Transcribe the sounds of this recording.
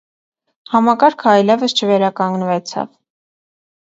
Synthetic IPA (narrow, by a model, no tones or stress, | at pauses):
hɑmɑkɑɾkʰəɑjlɛvəst͡ʃʰəvɛɾɑkɑŋɡnvɛt͡sʰɑ̰v